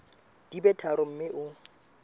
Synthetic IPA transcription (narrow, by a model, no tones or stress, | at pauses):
d̥ibɛtʰaɾʊm̩mɪʔʊ